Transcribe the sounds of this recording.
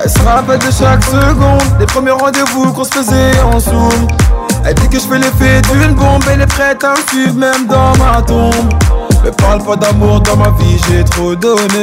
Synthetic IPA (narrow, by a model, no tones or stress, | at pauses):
ɛ̰lsəʁaapɛld̪əʃaksəɡɔ̃d̪lepχəmjɛʁːɑ̃d̪evukɔ̃sə̥fəzɛɑ̃sumɛ̰ld̪ikəʒəfɛlefɛd̪ynbɔ̃bɛlɛpχɛt̪aɛ̃fymɛmd̪ɑ̃mat̪ɔ̃bmɛpaʁlpad̪amuʁd̪ɑ̃maviʒet̪χod̪ɔne